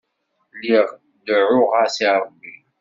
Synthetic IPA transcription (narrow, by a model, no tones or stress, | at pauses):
liʁ | d̪əʕʊʁasiɾˤəbːi